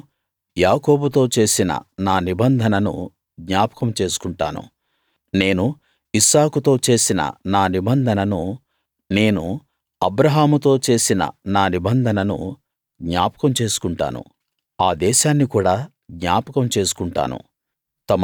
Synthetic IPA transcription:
jaːko̞ːbut̪̬o̞ːt͡ʃe̞ːsinɐ̰naːnibɐnd̪ʱɐnɐnṵ | ɡɲaːpɐ̥kɐmt͡ʃe̞ːsu̥kuɳʈa̰ːnṵ | ne̞ːnu | isaːkut̪o̞ːt͡ʃe̞ːsinɐ̰naːnibɐnd̪ʱɐnɐnu | ne̞ːnu | ɐbɾɐɦaːmut̪o̞ːt͡ʃe̞ːsinɐ̰naːnibɐnd̪ʱɐnɐnṵ | ɡɲaːpɐ̥kɐmt͡ʃe̞ːsu̥kuɳʈa̰ːnṵ | aːd̪ɛːʃaːnːikuːɽaː | ɡɲaːpɐkɐmt͡ʃe̞ːsu̥kuɳʈa̰ːnṵ | t̪ɐm

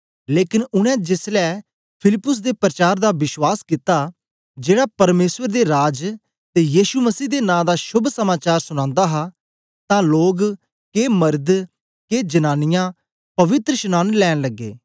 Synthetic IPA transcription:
leːkɪnʊɽ̃ɛ̃ːd͡ʒɪslɛː | pʰɪlɪpːʊs̬d̪eːpɾət͡ʃaːɾd̪aːʋɪswaːskɪt̪aː | d͡ʒeːɽaːpəɾmeːsʋəɾd̪eːɾaːd͡ʒ | t̪eːjiːʃuməsiːd̪enãːd̪aːʃʊbʱsəmaːt͡ʃaːɾsʊñãːnd̪aːɦaː | t̪ãːloːɡ | keːməɾd̪ | keːd͡ʒənaːnɪjãː | pɐʋɪt̪ɾəʃənãːnlɛːɽ̃ləɡːḛː

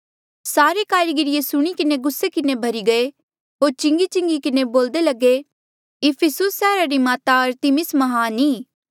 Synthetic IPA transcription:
saːɾekaːɾiɡɪɾɪjesʊɽ̃ikɪneɡʊsːekɪnebʱɐɾiɡɐe | ɦoːɾt͡ʃɪ̃ŋɡit͡ʃɪ̃ŋɡikɪneboːld̪elɐɡe | ɪpʰɪsʊsːɛːɾaɾimaːt̪aɐɾt̪ɪmɪsmɐɦaːniː

